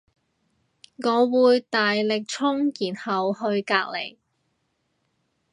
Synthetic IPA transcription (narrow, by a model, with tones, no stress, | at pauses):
ŋɔː˨˧wuː˨˧jt̪aː˨jlɪ˨k̚t͡ʃʰʊ˥ŋjiː˨˩nhɐ˨wɦɵ˧ɥkaː˧k̚le˨˩j